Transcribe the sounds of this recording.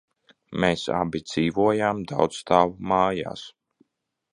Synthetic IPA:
meːsa̰bʲid̪z̥iːvuɔjaːmd̪awt̪sst̪aːvumaːja̰ːs

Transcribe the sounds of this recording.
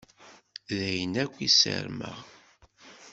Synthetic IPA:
ðæjənækʷːisə̰ɾmə̰ʁ

